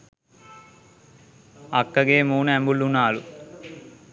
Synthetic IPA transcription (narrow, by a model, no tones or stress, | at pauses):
ɐkːɐɡeːmuːnɛmbulːunaːlu